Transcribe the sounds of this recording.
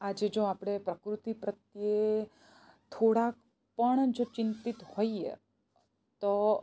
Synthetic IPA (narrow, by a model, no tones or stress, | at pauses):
ad͡ʒed͡ʒoapɽ̃epɾəkɾut̪ipɾət̪je | t̪ʰoɽak̚ | pəɳd͡ʒot͡ʃɪnt̪it̪hoiḛ | t̪o